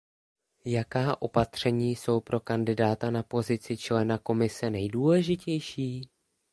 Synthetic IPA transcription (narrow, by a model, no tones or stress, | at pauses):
jakaːʔo̞pat̪r̝̥ɛɲiːso̞wpɾo̞kandɪdaːt̪anapo̞zɪt͡sɪt͡ʃlɛnako̞mɪsɛnɛjduːlɛʒɪcɛjʃiː